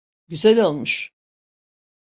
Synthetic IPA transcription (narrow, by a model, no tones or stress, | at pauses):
ɟyzælʲolˠmuʃ